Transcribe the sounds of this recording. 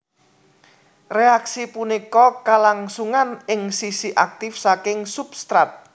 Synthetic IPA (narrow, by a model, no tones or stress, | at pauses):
reaksipunikɔkalaŋsuŋanɪŋsisiʔak̚t̪ɪfsakɪŋsupst̪ɾat̪̚